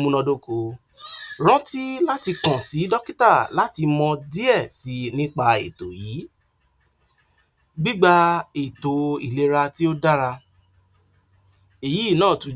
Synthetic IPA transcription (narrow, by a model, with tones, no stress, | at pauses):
mũ˧nɔ̃˧do˦ko˨˧ | ɾ̃ã˦ti˦la˦ti˧kã˨si˨˦dɔ˦ki˦ta˦˨la˦ti˧mɔ̃˧di˦ɛ˦˨si˨˦nĩ˦k͡pa˧ḛ˨to˨ji˨˦ | ɡ͡bi˦ɡ͡ba˧e˨to˨i˨le˨˧ɾa˧ti˦o˦da˦ɾa˧ | e˨ji˨˦˨nãː˦˨tũ˨˧˦